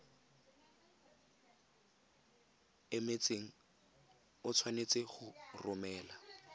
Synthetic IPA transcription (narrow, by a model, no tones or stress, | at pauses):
ɪmet͡seŋ̩ | ʊt͡sʰwanet͡sɪχʊrʊmɛːla